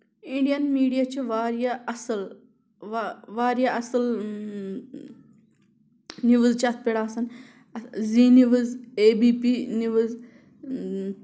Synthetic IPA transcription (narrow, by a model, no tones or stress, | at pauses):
iɳɖijɐnmiːɽijat͡ʃiʋaːɾijaɐsɨl | ʋaːɾijaʔɐsɨl | niʋɨzt͡ʃɐt̪̚ʰpeɽaːsɐn | ziniʋɨzeːbiːpiniʋɨz